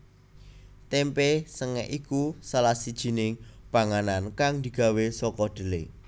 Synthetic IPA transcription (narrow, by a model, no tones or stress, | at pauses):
t̪ɛmpesəŋɛ̰ʔikusalahsid̥ʒ̥i̤nɪŋb̥a̤ŋanankaŋd̪̥i̤ɡ̥a̤wesɔkɔɖ̪̥ə̤le